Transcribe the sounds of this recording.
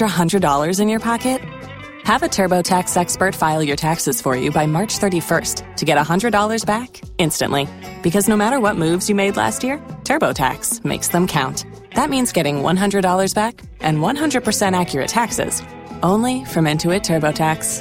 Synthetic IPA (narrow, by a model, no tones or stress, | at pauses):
ə˞əɦʌ̃ndɹɨdɔlˠə˞zɨ̃njə˞pʰɑkɨt̚ | həvɨtʰɜ˞boʊtʰæksɛkspə˞tfaɪlˠdjə˞tʰæksɨz̥fə˞jʉbaɪmɑɹt͡ʃθɜ˞ɾifɜ˞stʰɨɡɛɾəhʌ̃ndɹɨdɔlˠə˞zbæk | ɪ̃nstɨ̰̃nʔli | b̥ɨkʰʌznoʊmæɾə˞wʌt̚mʉvzjɨmeɪdˡlæ̰st̚jɪɹtʰɜ˞boʊtʰæ̰ksmḛɪksðə̃mkʰãʊ̃nt | ðət̚mĩnzɡɛɾɪ̃ŋwʌ̰̃nɦʌ̃ndɹɨdɔlˠə˞zbæk | ʔɨ̃nwʌ̃nɦʌ̃ndɹɨd̚pʰə˞sɛ̃ɾ̃ækjə˞ɨ̰tʰæksɪ̰z̥ | ʔõʊ̃nlifɹʌ̃mɪ̃ntʰʉɨtʰɜ˞boʊtʰæks